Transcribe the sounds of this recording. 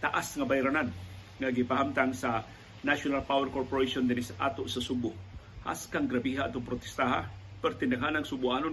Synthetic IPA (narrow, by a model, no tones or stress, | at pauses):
t̪aʔasŋabajɾanan | ŋaɡɪpaɦamt̪aŋsa | naʃonalpawɛɾkoɾpoɾejʃond̪ɪnɪsʔa̰t̪oʔsasubʊʔ | ha̰skaŋɡɾɐbiɦaʔat̪oŋpɾot̪ɛ̥st̪aɦa̰pɛɾt̪ɪnd̪ɐɡɦanaŋsʊbʊʔano